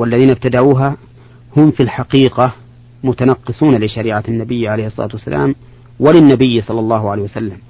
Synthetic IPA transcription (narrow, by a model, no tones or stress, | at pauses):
walːaðiːnab̚t̪ad̪aʕuːɦa | hʊmfilħaqiːqa | mʊt̪anɑqːɨsˤuːnalɪʃaɾiːʕanːabɪjːʕaleːhɪsˤːɑ̰ɑ̰ːt̪wasːa̰lʔa̰ːm | wɪlɪnːabɪjːsˤɑlːɑlˤːɑːhʕaleːhwasalːam